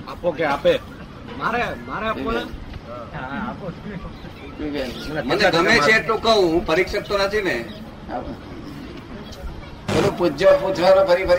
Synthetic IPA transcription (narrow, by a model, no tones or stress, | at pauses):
apokeape | maɾemaɾeapiona | apo | bikelməneɡʱəmet͡ʃʰeːʈlũkəɦũɦũpʰəɾikʃək̚t̪onat̪ʰine | a̰ | belũpud͡ʒəput͡ʃʰʋaɾopʰəɾipʰəɾ